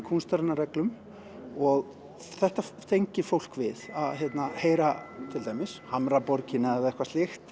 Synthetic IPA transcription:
kʰunst̪aɾnːaɾɛklʏm | ɔɣ | θɛht̪aθejɲcɪfowl̥kvɪðaðɦjɛt̪naheːjɾat̪ʰɪlt̪aːjmɪshamɾapɔɾcɪnaɛðɛhkvast̪ɪxt̪

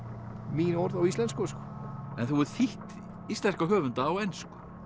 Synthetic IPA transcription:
minɔɾðawist̪ɛnskɔskɔɛnθuɛɾ̥θiht̪ | ist̪lɛr̥kaɦœːvʏnt̪aːwɛnskʏ̥

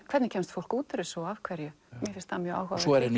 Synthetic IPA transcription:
kʰvɛɾt̪nɪcʰɛːmst̪fowl̥kuːt̪ɪɾɪsɔavkʰvɛɾjʏ | mɛθɪ̥st̪hamjœa̰whaɔɛɾɪn

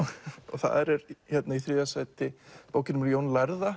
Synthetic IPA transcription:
ɔ̰θa̰ðɛɾɛɾçɛt̪naiθɾɪːðasajt̪ɪpoːwcɪnʏmljoːwnlaɾða

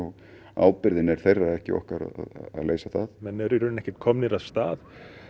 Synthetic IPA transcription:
ɔɣ | a̰ːwpɪɾðɪnɛɾ̥θejrːaðɛhcɪ̰ɔ̰hkaɾa̰ða̰ða̰ðleːjsaθaðmɛnːɛɾʏɾʏnnɛhcɪt̪kʰɔmnɪɾaðst̪aːð

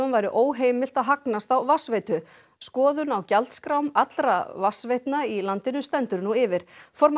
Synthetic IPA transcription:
ʏnvajɾɪʔoːwɦeːjmɪl̥t̪aðɦaknast̪awvasvejt̪ʏ | skɔːðʏnawcalt̪skɾawmat̪lɾavasvejht̪nailant̪ɪnʏst̪ɛnt̪ʏɾnuɪvɪɾ̥fɔɾm

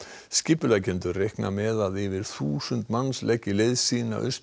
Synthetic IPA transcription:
scɪpʏlacɪnt̪ʏrejhkna̰mɛːðaðɪvɪɾ̥θuːsʏnt̪manːslɛcɪleðsiːna̰ʔʏ̰s

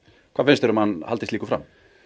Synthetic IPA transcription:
kʰvaːfɪnst̪ɛɾʏmhanha̰lt̪ɪst̪iːkʏfɾa̰m

